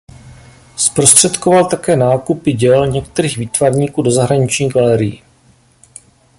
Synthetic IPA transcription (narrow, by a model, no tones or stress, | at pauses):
spɾo̞st̪r̝̥ɛt̪kovalt̪akɛːnaːkupɪɟɛlɲɛk̚t̪ɛɾiːɣviːt̪vaɾɲiːkuːdo̞zaɦɾaɲɪt͡ʃɲiːɡalɛɾɪjḭ